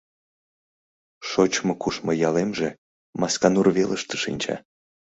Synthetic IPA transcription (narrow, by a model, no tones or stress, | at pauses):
ʃot͡ɕmŏkuʃmɤ̆jɑlemʒe | mɑskɑnurβeləʃt̪ə̥ʃḭnʲt͡ɕɑ̰